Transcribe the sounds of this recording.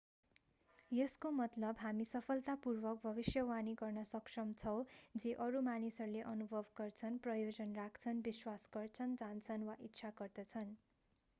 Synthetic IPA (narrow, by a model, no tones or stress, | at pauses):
jʌskomʌt̪lʌbɦamisʌpʰʌlt̪apurbʌk̚bʱʌbisjʌwaniɡʌrnʌsʌksʌmt͡sʰʌwd͡ziʔʌɾumanisʌrleʔʌnubʱʌbɡʌrt͡sʰʌnprʌjod͡zʌnrakʰt͡sʰʌnbiswasɡʌrt͡sʰʌnd͡zant͡sʰʌnwaʔitːsʰaɡʌrd̪ʌt͡sʰʌn